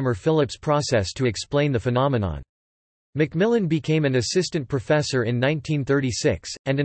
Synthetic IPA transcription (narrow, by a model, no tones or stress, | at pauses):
mə˞fɪlˠəpspʰɹ̥ɔsɛstʰɨɨksplẽɪ̃nðɨfɨnɑmɨnɑ̰̃n | mɨk̚mɪlˠɨ̃nbɨkʰẽɪ̃mɨ̃nɨsɪstɨ̃npʰɹ̥ɨfɛsə˞ɨ̃nːãɪ̃ntʰĩnθɜ˞ɾisɪksɨ̃nɨ̃